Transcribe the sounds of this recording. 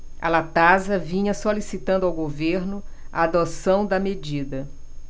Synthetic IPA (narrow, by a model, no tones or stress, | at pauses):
ɐ̰lat̪azɐvĩɲɐsolisit̪ɐ̃nd̪ʊawɡoveɾnʊ | aad̪osɐ̃w̃d̪ɐmed͡ʒid̪ɐ